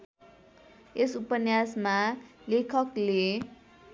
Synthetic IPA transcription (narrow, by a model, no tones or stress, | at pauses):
esupʌnjasmalekʰʌkle